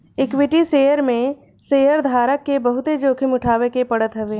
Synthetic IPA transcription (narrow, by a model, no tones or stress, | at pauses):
ɪkwɪʈiseːjəɾmẽ | seːjəɾd̪ʱaːɾəkːebɐɦʊt̪ed͡ʒoːkʰɪmʊʈʰaːʋekepɐɽət̪ɦɛʋeː